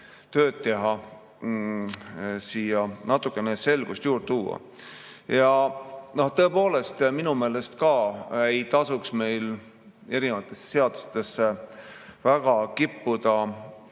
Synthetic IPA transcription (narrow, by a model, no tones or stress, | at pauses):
t̪ø̞ːd̪̥̚t̪e̞ɦɑ | siːjɑnɑt̪ːˑukːˑe̞nese̞lɡ̥ust̪juːrt̪uːɑ̰ | jɑnoht̪ɤ̞epo̞ːle̞st̪minume̞ːle̞st̪kɑejt̪ɑsuksme̞jl | e̞ɾinevɑt̪ːˑe̞sːse̞ɑd̪̥u̥st̪e̞sːe | væɡ̥ɑkipːud̪̥ɑ